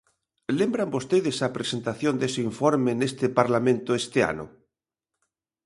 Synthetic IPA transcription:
lembɾambost̪eðesapɾesent̪aθjond̪esoiɱfoɾmenest̪epaɾlamẽnt̪oest̪ea̰no̰

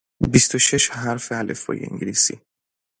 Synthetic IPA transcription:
bist̪oʃeʃɦæɾfeælḛfɒ̰ːjḛḭŋɟilisḭ

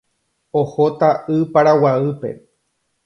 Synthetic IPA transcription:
ohot̪aʔɨpaɾawaɨpe̞̰

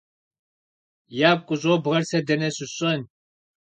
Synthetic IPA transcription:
jaːp̚kʷʼʊʑʼoːbʁɐrsɐdɐnɐsʊɕʼɐn

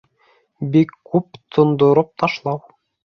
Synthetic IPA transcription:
bikːupt̪ʰɤ̆nd̪ŏɾɤp̚t̪ɑʃlˠɑw

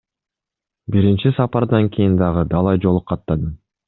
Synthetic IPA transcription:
biɾint͡ʃisɑpɑɾd̪ɑŋkʲʰijind̪ɑʁɯd̪ɑlˠɑjd͡ʒo̞lˠup̚qʰːɑt̪ːɑd̪ɯ

